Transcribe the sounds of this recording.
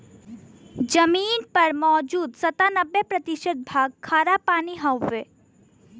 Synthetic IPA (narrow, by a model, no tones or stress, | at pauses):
d͡ʒəmiːnpɐɾmɔːd͡ʒuːd̪sɐt̪anəbːepɾət̪iʃət̪̚bʱaːɡ̚kʰaːɾapaːniɦɔwːe